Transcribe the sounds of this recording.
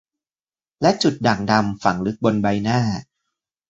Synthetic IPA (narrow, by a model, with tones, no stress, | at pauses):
lɛ˦˥t͡ɕu˨˩t̪̚da˨˩ŋ̚da˧mfa˩˦ŋlɯ˦˥k̚bo˧nba˧jnaː˥˩